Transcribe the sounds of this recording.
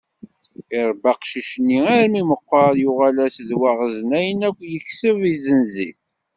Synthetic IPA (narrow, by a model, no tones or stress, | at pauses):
ɪɾˤbɑqʃiʃənːiæɾmiməqːəɾjʊʁalæsðwaʁəzənæjənækʷːjəçsəvizənzḭθ